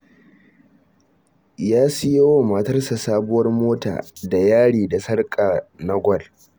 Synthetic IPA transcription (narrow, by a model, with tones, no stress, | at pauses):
jaː˦sɪ˦je˦woː˦˨mɐ˨tɐ˦rsa˨saː˦bʊ˦wɐ˦rmoː˦ta̰ː˨da˨jaː˦ɽiː˨da˨sɐ˦rkʼa˨na˦ɡʷɔ˦˨l